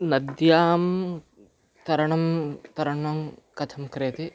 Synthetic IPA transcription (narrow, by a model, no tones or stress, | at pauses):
nɐd̪jaːm | t̪ɐɾɐɳɐmt̪ɐɾɐɳɐmkɐt̪ʰɐmkɾeːt̪i